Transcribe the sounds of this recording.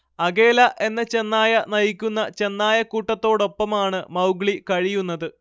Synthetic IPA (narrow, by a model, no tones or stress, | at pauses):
ɐɡe̞ːlɐʔe̞nːɐt͡ɕe̞nːaːjɐnɐjikʲːunːɐt͡ɕe̞nːaːjɐkuːʈːɐt̪ːo̞ːɽo̞pːɐmaːɳɨmɐwɡɭikɐɻijunːɐðɨ